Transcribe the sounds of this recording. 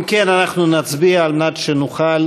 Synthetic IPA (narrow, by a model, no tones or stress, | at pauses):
mkenanaχnunat͡sbiaːlmenatʃenuχal